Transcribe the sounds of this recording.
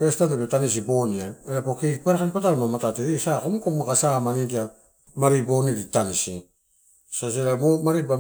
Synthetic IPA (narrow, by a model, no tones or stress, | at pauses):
pestatebetanis̬iboniaeɾapokepaɾakanipataɾmamatateɾesakomukomakasamanidia | maɾibo̞niɾitanisi | saseɾamomaɾiba